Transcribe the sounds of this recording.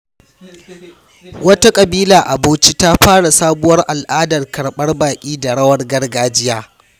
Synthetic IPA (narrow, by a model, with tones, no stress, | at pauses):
wɐ˦ta˦kʼɐ˨biː˦laː˨ʔa˨boː˦t͡ʃi˦ta˦ɸaː˦ɽa˨saː˦bʊ˦wɐ˦rʔa˨lʔaː˦dɐ˨rkɐ˨ɽɓɐ˦rbaː˨kʲʼiː˦da˨ɽɐ˦wɐ˦rɡɐ˦rɡaː˦d͡ʒɪ˦jaː˦